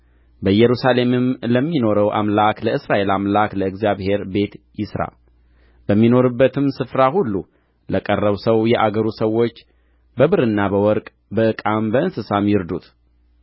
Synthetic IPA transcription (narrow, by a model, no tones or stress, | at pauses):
bəjɛɾusale̞mɨmləmːino̞ɾəwʔa̰mlakləɨsɾaʔe̞lamlakləɨɡzjaβhe̞ɾbe̞t̪jɪsɾa̰ | bəmːino̞ɾɨbːət̪ʰɨmsɨfɾahulːu | ləkʼərːəβsəwjɛʔaɡəɾusəwːo̞t͡ʃː | bəβɨɾɨnːabəwɔɾkʼ | bəɨkʼambəɨnsɨsamjɪɾd̪ut̪